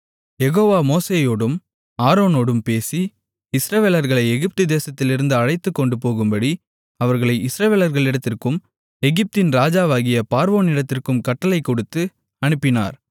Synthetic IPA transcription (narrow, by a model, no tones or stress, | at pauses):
jɛɣoːʋaːmoːseːjoːɽɯm | aːɾoːnoːɽɯmpeːsi | ɪsɾɐʋeːlɐɾɣɐɭɐɪɛɣɪp̚t̪ɯd̪eːsɐt̪ːɪlɪɾɯnd̪ɯɐɻɐɪt̪ːɯkːɔɳɖɯpoːɣɯmbɐɽi | ɐʋɐɾɣɐɭɐɪɪsɾɐʋeːlɐɾɣɐɭɪɽɐt̪ːɪrkɯm | ɛɣɪp̚t̪ɪnɾaːd͡ʒaːʋaːɣɪjɐpaːɾʋoːnɪɽɐt̪ːɪrkɯmkɐʈːɐlɐɪkːɔɽɯt̪ːɯ | ɐɳɯpːɪna̰ːɾ